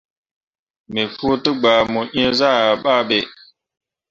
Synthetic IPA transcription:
me˨fu˦tə˦ɡ͡ba˨mu˨ʔĩ˦ə˦za˦˨a˨ɓa˦˨ɓe˨

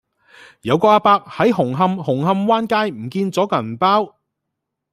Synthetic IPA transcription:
jɐ˨˧wkɔː˧aː˧paː˧k̚hɐ˨˥jɦʊ˨˩ŋɦɐ˧mhʊ˨˩ŋɦɐ˧mwaː˥nkaː˥jm̩˨˩kiː˧nt͡sɔː˨˥kɐ˨˩n˨paː˥w

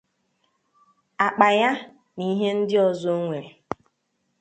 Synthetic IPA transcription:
a˨k͡pa˨ja˦ | ni˦ɦe˦n̩˦dɪ˦ɔ˨zo˦ŋʷe˨e˨

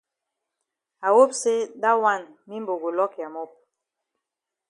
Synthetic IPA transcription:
a˨wo˦pse˦da˦wa˦˨nmi˦mbo˨ɡo˨lɔ˦kja˨mo˦p̚

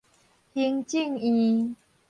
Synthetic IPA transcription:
hi˧˦ŋt͡ɕi˥˧˨ŋĩ˧

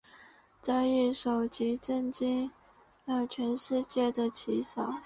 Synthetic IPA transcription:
t͡sa˥˧ɪi˥˩ʂo˨˩ʊt͡ɕi˧˥ʈ͡ʂə˥˧nt͡ɕi˥ŋ | ɑ˥˩t͡ɕʰɥɛ˧˥nʂɻ̩˥˧t͡ɕjɛ˥˩d̪ə˩t͡ɕʰi˧˥sɑ˨˩˦ʊ

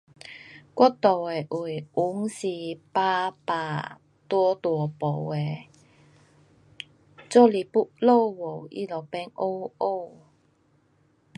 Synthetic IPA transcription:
kɔ˥t̪o˨˩wɛ˨˩ʔu˨˩jʔu˨˥ŋsiː˧paː˧paː˨˧˩ | t̪wɔ˥t̪wɔ˨˩po˨˧wɛ˨ | t͡sɔ˥li˨˩pu˥ʔlo˥wo˨˩wḭ˦˥lɔ˨pɛ˧˥ŋʔo˥wo˥w

